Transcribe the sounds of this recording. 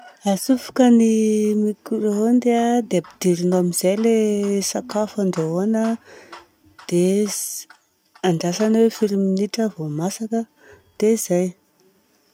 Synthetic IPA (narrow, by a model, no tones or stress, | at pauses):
asufu̥kənimikuɾeɦond̪ead̪eabid̪iɾinoamiz̥ajlesakafaɳɖ͡ʐoonə | d̪̥e | aɳɖ͡ʐasanwefiɾiminiʈ͡ʂəvomasakə | d̪̥ezaj